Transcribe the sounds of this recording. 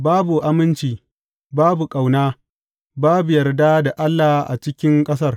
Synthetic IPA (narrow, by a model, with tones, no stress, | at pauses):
baː˦bu˨ʔa˦mɪ˦nt͡ʃiː˨ | baː˦bu˨kʼa˨wnaː˦ | baː˦bu˨jɐ˨rda˦da˨ʔa˦lːa˨hʔa̰˨t͡ʃɪ˦kʲɪ˦ŋkʼɐ˦sɐ˦˨r